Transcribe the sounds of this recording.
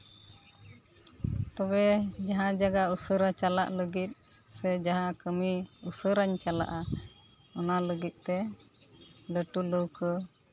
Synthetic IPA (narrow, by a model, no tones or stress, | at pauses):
t̪ɔbɛd͡ʒaɦãd͡ʒaɡausəɾat͡ʃala̰ʔləɡit̪̚ˀ | sɛd͡ʒaɦãkəmiusəɾaɲt͡ʃala̰ʔa | ɔnaləɡit̪̚t̪ɛ | ləʈuləwkə